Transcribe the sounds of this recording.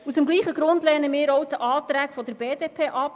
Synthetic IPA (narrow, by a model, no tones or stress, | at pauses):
usəmɡliːχəɡɾʊnd̪lɛːnəmɪːɾɔwt̪əʔɑːt̪ɾæːkfɔd̪əɾbeːdeːpʰeːʔɑp